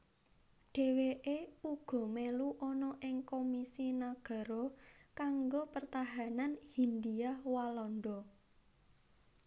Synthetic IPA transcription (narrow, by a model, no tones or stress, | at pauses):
ɖ̥e̤weʔeuɡ̥ɔ̤meluʔɔnɔʔɪŋkomisinaɡ̥a̤ɾɔkaŋɡopərt̪aɦananhind̪iawalɔnɖɔ